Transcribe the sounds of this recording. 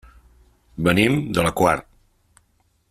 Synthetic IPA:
bənimd̪ələkwa̰rt̪̚

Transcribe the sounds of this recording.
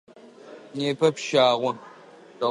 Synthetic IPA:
neːpʰɐpʃaːʁʷʊ | tɐ

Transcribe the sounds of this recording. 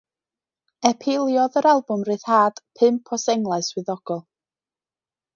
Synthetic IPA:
ɛpʰɪlˠjɔðəɾalˠbʊmrɨːθhaːd̥pʰɨmpʰɔsɛŋlˠaɨswɨðɔɡ̥ɔlˠ

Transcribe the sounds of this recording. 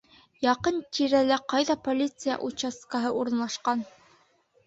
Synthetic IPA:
jɑqɤnt̪ʲʰiɾælæqɑjðɑpolʲit̪sɨja̰ʔut͡ɕaskɑɦɤʔuɾɤ̆nlˠɑʃqɑn

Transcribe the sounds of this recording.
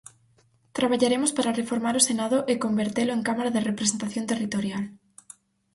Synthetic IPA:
t̪ɾaβ̞aʎaɾemospaɾarefoɾmaɾosenaðʊʔekombeɾt̪elʊeŋkamaɾaðerepɾesent̪aθjont̪erit̪oɾjal

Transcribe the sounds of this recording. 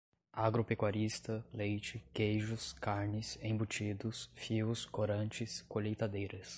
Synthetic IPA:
aɡɾopekwaɾist̪ɐlejt͡ʃɪkejʒʊskaɾnɪsẽbut͡ʃid̪ʊsfiwskoɾɐ̃t͡ʃɪskoʎejt̪ad̪ejɾɐs

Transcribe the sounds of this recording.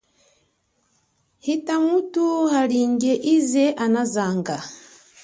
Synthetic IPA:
hitamutuhaɾiːɲɟeʔizeʔanazaːŋɡa

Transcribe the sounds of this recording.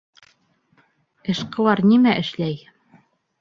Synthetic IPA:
ɘ̆ʃqɤ̆lˠɑɾnimæʔɘ̆ʃlæj

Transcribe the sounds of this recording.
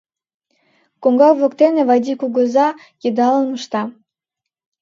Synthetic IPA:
koŋɡɑkβokt̪eneβɑjd̪ʲikuɡə̆zɑ | jed̪ɑlənməʃt̪ɑ

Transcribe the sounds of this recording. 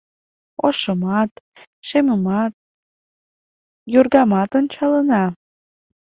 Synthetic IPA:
oʃəmɑt̪ | ʃeməmɑt̪̚ | jurɣɑmɑt̪onʲt͡ɕɑlənɑ

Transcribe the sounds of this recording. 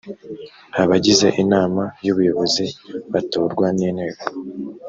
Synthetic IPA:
haβaɟize̞ʔinaːmajuβujo̞βo̞ziβatoːɾɡwaniːn̥he̞ːɡo

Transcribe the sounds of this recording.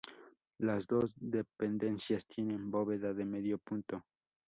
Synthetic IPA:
lazd̪osd̪epend̪e̞nsjast̪je̞nẽmboβeðaðemeðjopunt̪o

